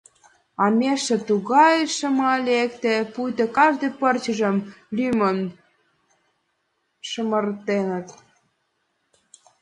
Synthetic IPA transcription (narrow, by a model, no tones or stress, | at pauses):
ɑmʲeʃĕt̪uɣɑjeʃə̆mlɑlekt̪epujt̪ə̆kɑʒd̪epərt͡ɕə̆ʒə̆mlymən | ʃəmə̆rt̪enə̆t̪